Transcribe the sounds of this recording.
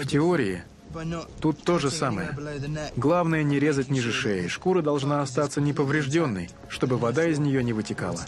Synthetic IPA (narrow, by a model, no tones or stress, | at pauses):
ftʲɪoɾʲɪɪ̰ | t̪ut̪ːo̞ʐɨsaməjə̰ɡlˠavnəjənʲɪɾʲe̞zətʲnʲɪʐɨʂɛɪʂkuɾəd̪ɐlˠʐnaɐst̪at̪sənʲɪpəvɾʲɪʐdʲo̞nːə̰j | ʂt̪o̞bɨvɐd̪aɪzʲnʲɪjo̞nʲɪvɨtʲɪka̰lˠə̰